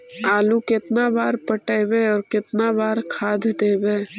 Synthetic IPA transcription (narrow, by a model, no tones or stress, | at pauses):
aːlukɪt̪nabaːɾpəʈeːbeɔːɾkɪt̪nabaːɾkʰaːd̪ʱd̪eːbeː